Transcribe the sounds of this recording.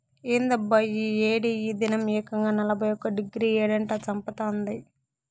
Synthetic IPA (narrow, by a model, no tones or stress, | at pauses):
eːnd̪ɐbːɐjieːɽiiːd̪inɐmɛːkɐŋɡaːnɐlɐbʱɐjɔkːɐɖiɡɾiːeːɽɐɳʈaːt͡ʃɐmpɐt̪aːnd̪i